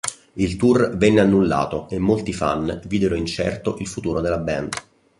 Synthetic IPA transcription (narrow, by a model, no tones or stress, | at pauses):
ilt̪urvɛnːeanːulːa̰ːt̪oemːolt̪ifa̰nviːd̪eɾoint͡ʃɛ̰rt̪oʔilfut̪uːɾod̪elːabɛ̰nd̪